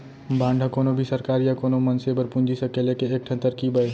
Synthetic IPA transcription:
bʱãːɳɖʱakoːnobʱisəɾkaːɾijakoːnomənsebəɾpũnd͡ʒisəkelekeeːk̚ʈʰə̃nt̪əɾkibəj

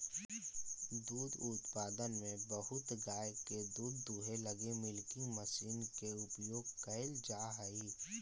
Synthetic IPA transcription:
d̪uːd̪ʊt̪paːd̪ənmẽbəɦʊt̪ɡaːjked̪uːd̪ːuːɦeləɡemɪlkɪ̃ŋɡməsiːnkeʊpjoːɡkəɪld͡ʒaːɦəiː

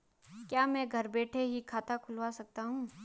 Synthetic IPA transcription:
kjaːmɛ̃ːɡʱɐɾbeːʈʰeɦikʰaːt̪akʰʊlʋasɐk̚t̪aɦũː

